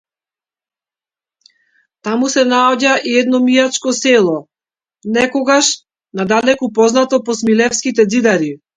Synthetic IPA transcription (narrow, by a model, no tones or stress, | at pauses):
t̪amusɛnaɔɟaʔiɛd̪nɔmiat͡ʃkɔsɛlˠɔ | nɛkɔɡaʃ | nad̪alɛkupɔznat̪ɔpɔsmilɛfskit̪̬ɛd̪zid̪aɾi